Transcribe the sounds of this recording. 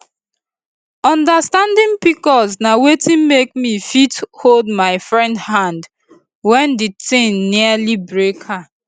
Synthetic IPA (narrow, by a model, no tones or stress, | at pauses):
ɔ̃ndastãndĩnpikɔznawetĩmekmifitholdmaɪfɹɛ̃ndhãnd | wɛ̃nditɪ̃nːialibɹekha